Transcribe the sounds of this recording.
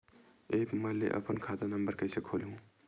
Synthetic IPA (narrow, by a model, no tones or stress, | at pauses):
epməlḛʔə̰pənkʰad̪anəmbəɾkəjsekʰoliɦũ